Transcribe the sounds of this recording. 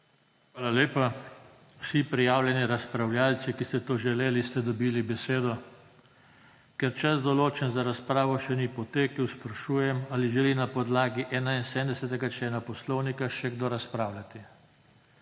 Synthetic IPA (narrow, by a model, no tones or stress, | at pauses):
xxʋaːlaleːpa | wsipɾijaːwlʲjɛniɾaspɾawljaːlt̪sikist̪ɛt̪oːʒɛleːlist̪ɛd̪ɔbiːlibɛseːd̪ɔ | kɛɾt͡ʃazd̪ɔloːt͡ʃɛnzaɾaspɾaːʋɔʃɛnipɔt̪eːkəwspɾaʃuːjɛmaliʒɛlinapɔd̪laːɡiʔɛːnainsɛmd̪ɛsɛt̪ɛɡat͡ʃɛːnapɔslɔwnikaʃɛɡd̪oɾaspɾaːwlʲat̪i